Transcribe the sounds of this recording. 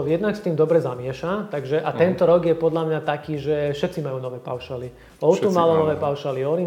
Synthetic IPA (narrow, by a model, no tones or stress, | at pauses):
jɛd̪nakst̪iːmd̪ɔbɾɛzamɪɛʃat̪aɡʒɛʔat̪ɛnt̪ɔɾɔɡjɛpɔd̪lamɲat̪akiːʒɛfʃɛt̪t͡simajuːnɔʋɛːpa̰ʊʃali | ɔʊt̪umalɔnɔʋɛːpaʊʃaliɔɾi